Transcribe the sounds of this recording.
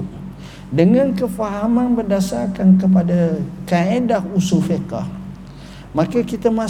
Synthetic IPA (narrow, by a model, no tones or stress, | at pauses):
dəŋankəfaɦamanbərdasarkankəp̬adakaedahusufeka̰h | makakit̪amã